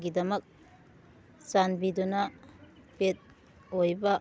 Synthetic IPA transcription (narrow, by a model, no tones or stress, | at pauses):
ɡidɐmɐk̚ | sanbidunɐpet̚ | ojbɐ